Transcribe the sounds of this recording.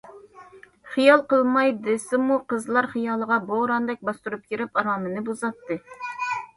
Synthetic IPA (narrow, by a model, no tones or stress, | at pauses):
χijɑlˠqəlˠmɑjd̪ɨsɪmuqəzlˠɑɾχijɑːlˠəʁɑboʁɾɑnd̪ɛk̚ʲbɑst̪uɾup̚kʲʰiɾɪpɑɾɑːmɨnɨbozɑt̪ːɨ